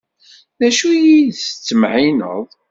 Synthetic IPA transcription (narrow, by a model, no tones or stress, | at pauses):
ðæʃujiðsət͡sːəmʕinə̰ðˤ